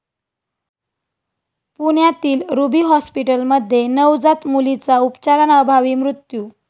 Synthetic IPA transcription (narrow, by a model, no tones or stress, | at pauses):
puɳjat̪iːlɾubiːɦɔspiʈəlməd̪ʱːjenəwd͡zat̪mulit͡saupt͡ɕaɾanəbʱaʋiːmɾut̪ju